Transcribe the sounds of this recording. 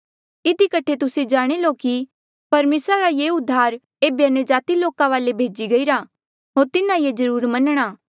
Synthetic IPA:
ɪd̪ʱikɐʈʰet̪ʊsed͡ʒaːɽ̃eloːki | pɐɾmeːsɾaɾajeːʊd̪ʱːaːɾ | eːbeɐnəd͡ʒaːt̪iloːkãʋaːlebʱeːd͡ʒiɡɐiːɾa | ɦoːɾt̪ɪnãjed͡ʒɐɾuːɾmɐnɽ̃aː

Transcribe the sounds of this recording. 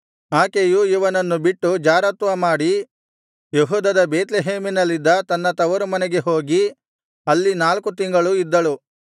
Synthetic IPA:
aːkejuiʋɐnɐnːubiʈːud͡ʒaːɾɐt̪ʋɐmaːɽi | jeɦuːd̪ɐd̪ɐbeːt̪leɦeːminɐlːid̪ːɐt̪ɐnːɐt̪ɐʋɐɾumɐnɛɡe̞ɦo̞ːɡi | ɐlːinaːlkut̪̬iŋɡɐɭuid̪ːɐɭu

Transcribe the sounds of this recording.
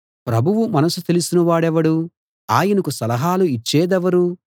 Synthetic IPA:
pɾɐbʱuʋumɐnɐsut̪e̞lusinɐʋaːɽɛʋɐɽu | aːjɐnɐkusɐlɐɦaːluit͡ʃːɛːd̪ɛʋɐɾu

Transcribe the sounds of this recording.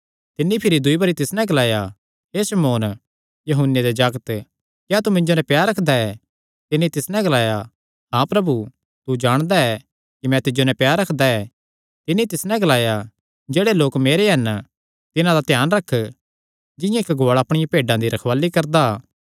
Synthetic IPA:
t̪ɪnːipʰɪɾid̪ʊibɐɾit̪ɪsnɛ̃ɡɐlaːja | ɦeːsɐmoːn | jɐɦʊnjed̪ed͡ʒaːɡət̪ | kjaːt̪umɪ̃ɲd͡ʒonɛ̃pjaːɾɐkʰd̪aɛ | t̪ɪnːit̪ɪsnɛ̃ɡɐlaːja | ɦãpɾɐbu | t̪ud͡ʒaːɽ̃d̪aɛ | kimɛ̃t̪ɪd͡ʒonɛ̃pjaːɾɐkʰd̪aɛ | t̪ɪnːit̪ɪsnɛ̃ɡɐlaːja | d͡ʒɛːɽeloːkmeːɾeɦɐn | t̪ɪnãd̪at̪jaːnɾɐkʰː | d͡ʒɪ̃jãɪkɡoːɭaːpɽ̃ɪjãpeːɖãd̪iɾɐkʰʋaːlikɐɾd̪a

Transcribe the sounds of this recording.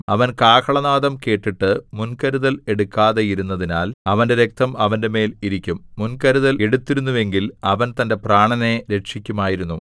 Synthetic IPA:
ɐʋɐnkaːkʰɐɭɐnaːðɐmke̞ːʈːiʈːɨmunkɐɾuðɐle̞ɽukːaːðɐjiɾunːɐðinaːlɐʋɐnde̞ɾe̞k̚t̪ɐmɐʋɐnde̞me̞ːliɾikʲːumːunkɐɾuðɐleɽut̪ːiɾunːuʋe̞ŋɡilɐʋɐnt̪ɐnde̞praːɳɐne̞ɾe̞ʂikʲːumaːjiɾunːu

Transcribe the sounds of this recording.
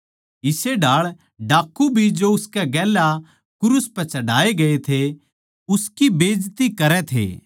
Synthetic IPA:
ɪseɖaːɭ | ɖaːkːubʱid͡ʒoʊskɛɡɛːla | kʊɾʊspɛt͡ʃɐɖaːeɡɐet̪ʰe | ʊskibeːd͡ʒt̪ikɐɾɛt̪ʰḛː

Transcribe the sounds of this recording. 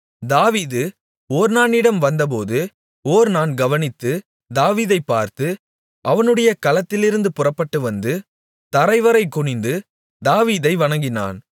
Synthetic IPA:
d̪aːʋiːðɯ | oːɾnaːnɪɽɐmʋɐnd̪ɐp̬oːðɯ | oːɾnaːnɡɐʋɐnɪt̪ːɯ | d̪aːʋiːðɐɪpːaːɾt̪ɯ | ʔɐʋɐnɯɽɐjɐkɐlɐt̪ːɪlɪɾɯnd̪ɯpʊrɐpːɐʈːɯʋɐnd̪ɯ | t̪ɐɾɐɪʋɐɾɐɪkːʊɳɪnd̪ɯ | d̪aːʋiːðɐɪʋɐɳɐŋɡɪna̰ːn

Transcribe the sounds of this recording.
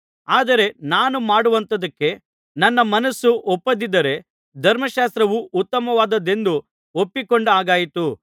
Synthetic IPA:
aːd̪ɐɾe̞naːnumaːɽuʋɐnt̪ɐd̪ɐkːe̞ | nɐnːɐmɐnɐsːuʔɔpːɐd̪id̪ɐɾe̞ | d̪ʱɐɾmɐʃaːst̪ɾɐʋuʔːt̪ːɐmɐʋaːd̪ɐd̪e̞nd̪u | opːikoɳɖaːɡaːjit̪u

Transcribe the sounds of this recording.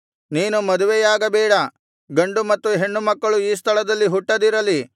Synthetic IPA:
niːnumɐd̪uʋɛjaːɡɐbɛːɽɐ | ɡɐɳɖumɐt̪ːuɦe̞ɳːumɐkːɐɭuiːs̬t̪ʰɐɭɐd̪ɐlːiɦuʈːɐd̪iɾɐli

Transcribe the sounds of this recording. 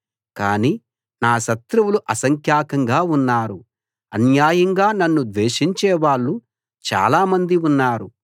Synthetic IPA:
kaːniː | naːʃɐt̪ɾuwuluʔɐsɐŋkʰjaːkɐŋɡaːunːaːɾu | ɐ̰njaːjɐŋɡaːnɐnːud̪ʋeːʃiɲt͡ʃɛːʋaːɭːu | t͡ʃa̰ːlaːmɐnd̪iunːaːɾu

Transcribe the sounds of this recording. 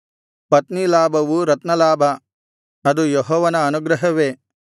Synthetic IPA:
pɐt̪nilaːbʱɐʋuɾɐt̪nɐlaːbʱɐ | ɐd̪ujoɦɔːʋɐnɐːnuɡɾɐɦɐʋeː

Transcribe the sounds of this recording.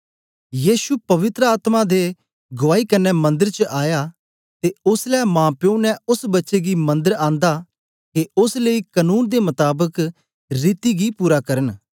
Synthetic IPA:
jiːsupɐʋɪt̪ɾəaːt̪mad̪e | ɡʊaːikɐnɛmɐ̃nd̪əɾt͡ʃəʔaːja | t̪eʊslɛːmãːpjõːnɛʊsbɐtːʃeɡimɐ̃nd̪əɾãːnd̪a | keʊsləikənuːnd̪emɐt̪aːbək | ɾiːt̪iɡipuːɾakɐɾən

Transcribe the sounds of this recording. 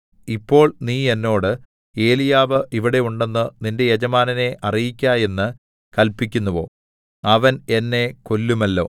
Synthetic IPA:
ipːo̞ːɭniːe̞nːo̞ːɽɨ | e̞ːlijaːʋɨʔiʋiɽe̞uɳɖe̞nːɨninde̞jed͡ʑɐmaːnɐne̞ʔɐrijikʲːaːje̞nːɨ | kɐlpikʲːunːɐʋo̞̰ː | ɐʋɐne̞nːe̞ko̞lːumɐlːo̞̰ː

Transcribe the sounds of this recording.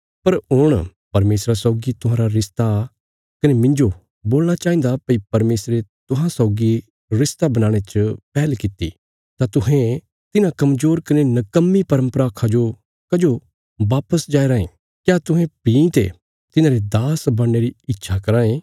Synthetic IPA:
pɐɾɦʊɽ̃pɐɾmeːsɾasɔːɡit̪ʊɦãːɾaɾɪst̪a | kɐnemɪ̃ɲd͡ʒo | boːlñat͡ʃaːĩːnd̪apɐipɐɾmeːsɾet̪ʊɦãsɔːʊɡi | ɾɪst̪abɐnaːɽ̃et͡ʃpɛːlkɪt̪ḭ | t̪at̪ʊɦẽ | t̪ɪnãkɐmzoːɾkɐnenɐkəmːipɐɾə̃mpɾaːkʰad͡ʒo | kɐd͡ʒo | ʋaːpəsd͡ʒaːeɾaːẽ | kjaːt̪ʊɦẽpĩːt̪ḛ | t̪ɪnãːɾid̪aːsbɐɽːeɾiɪtːʃʰakɐɾãːẽ

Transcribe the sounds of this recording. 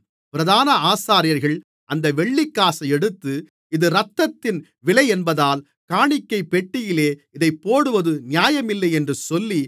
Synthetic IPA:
pɪɾɐðaːnɐaːsaːɾɪjɐɾɣɐɭ | ʔɐnd̪ɐʋɛɭːɪkːaːsɐɪɛɽɯt̪ːɯ | ɪðɯɾɐt̪ːɐt̪ːɪn | ʋɪɭɐɪɛnbɐðaːl | kaːɳɪkːɐɪpɛʈːɪjɪleːɪðɐɪpːoːɽɯʋɐðɯnɪjaːjɐmɪlːɐɪɛndrɯsɔlːi

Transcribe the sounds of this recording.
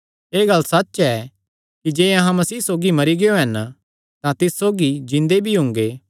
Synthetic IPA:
eːɡɐlːsɐt͡ʃːɛ | kid͡ʒeːɐɦãmɐsiːsoːɡimɐɾiɡeoɦɐn | t̪ãt̪ɪssoːɡid͡ʒɪ̃nd̪ebʱiɦʊ̃ŋɡeː

